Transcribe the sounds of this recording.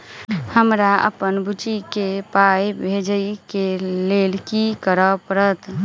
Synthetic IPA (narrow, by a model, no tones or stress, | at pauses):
həmɾaə̰pənbut͡ʃikepajbʱed͡ʒəjkelelkikəɾəpəɾət̪